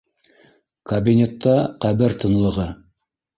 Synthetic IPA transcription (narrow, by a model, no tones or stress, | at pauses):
kɐbʲinʲet̪ːɑqæβɘɾt̪ɤ̆nlˠɤ̆ʁɤ